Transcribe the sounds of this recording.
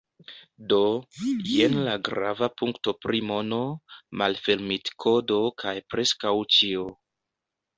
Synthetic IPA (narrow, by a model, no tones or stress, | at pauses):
do̞jenlaɡɾa̰vapuŋkto̞pɾimo̞no̞malfeɾmitkʰo̞do̞kʰajpɾe̞skawt͡ʃio